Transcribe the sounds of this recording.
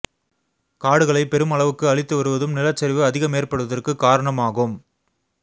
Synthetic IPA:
kaːɽɯɣɐɭɐɪpɛɾɯmɐɭɐʋɯkːɯɐɭɪt̪ːɯʋɐɾɯʋɐðɯmnɪlɐt͡ʃːɐɾʋɯɐðɪɣɐmeːrpɐɽɯʋɐðɐrkɯkːaːɾɐɳɐmaːɣɯm

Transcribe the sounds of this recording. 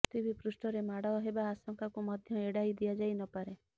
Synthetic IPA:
t̪ibipɾusʈɔɾemaɽaɔɦebaːsɔŋkakumɔd̪ʱjɔeɽajd̪iad͡ʒajnɔpaɾe

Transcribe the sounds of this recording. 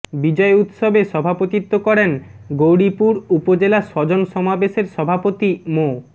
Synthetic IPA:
bid͡ʑɔeut̪ʃobeʃɔbʱapot̪it̪ːokɔɾenɡowɽipuɾupod͡ʑelaʃɔd͡ʑonʃɔmabeʃeɾʃɔbʱapot̪imo

